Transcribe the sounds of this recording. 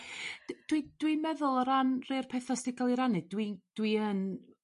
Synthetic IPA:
d̥d̥wid̥wimɛðʊlˠɔɾanrerpʰɛθɔstɪɡɔlˠiɾanɨdwid̥wiən

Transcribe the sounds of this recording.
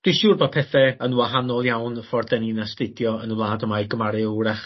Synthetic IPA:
d̥wiʃuːrboːdpʰɛθɛənwaɦanɔlˠjawnfɔrdɛninastɪdjɔənəlˠaːdəmajɡəmaɾɨəwɾaχ

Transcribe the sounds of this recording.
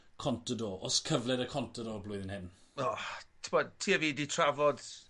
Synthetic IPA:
kʰɔntədoʔɔskʰəvlɛɾəkʰɔntʰədɔblʊɨðɪnhɪnɔtʰɪbɔd̚tʰiːəviːditʰravɔd

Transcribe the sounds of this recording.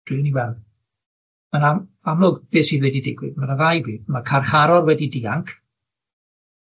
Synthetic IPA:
d̥ɨniwɛlˠð | məna | amlʊɡb̥eːsivwɛdidɪɡwɪ̰dmənaðajbiːdmakʰarχaɾɔrwɛdidiːaŋkʰ

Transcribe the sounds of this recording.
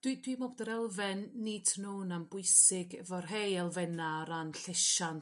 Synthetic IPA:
d̥wid̥wimobdəɾɛlˠvɛnːidʰnoːnambʊɨsɪɡɛvɔrɦejɛlˠvɛnaɾanɬɛʃan

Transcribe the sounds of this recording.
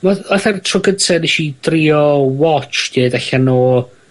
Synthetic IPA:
maɔθɛrtʰrɔɡətʰɛniʃid̥riɔwɔt͡ʃd̥ʰeːdɛɬanoː

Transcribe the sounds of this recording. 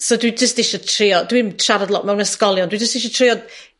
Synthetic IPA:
sɔdwid͡ʒəstɪʃɔtʰrɪɔdwimtʰraɾadlˠɔ̰ʔmɛwnəskɔlˠjɔndwid͡ʒəstdɪʃ̬ɔtʰr̥ɪɔ

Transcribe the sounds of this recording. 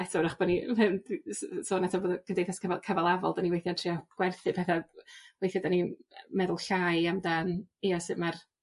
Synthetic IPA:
ɛtʰaɾaχb̥ɔninɛwndssoːnɛtʰaboːðɔkʰəndejθaskʰəvakʰavalˠavɔ̰lˠdaniwejθjantʰriɔɡ̥wɛrθɨpʰɛθawejθjadanimɛðʊlˠɬajamdanijasɨmar

